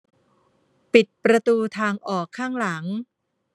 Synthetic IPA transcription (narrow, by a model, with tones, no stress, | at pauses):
pi˨˩t̪̚pɾa˧t̪uː˧t̪ʰaː˧ŋʔɔː˨˩kʰːaː˥˩ŋla˩˦ŋ